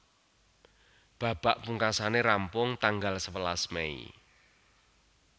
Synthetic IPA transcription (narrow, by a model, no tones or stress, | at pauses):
b̥ä̤b̥aʔpuŋkasaneɾampʊŋt̪aŋɡalsəwəlasmeḭ